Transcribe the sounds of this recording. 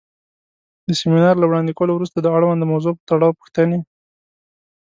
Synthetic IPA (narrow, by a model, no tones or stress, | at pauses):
d̪əseminɑɾlawɽɑnd̪ikolowɾust̪ad̪əaɽwand̪əmawzopət̪aɽɑwpu̥xt̪ane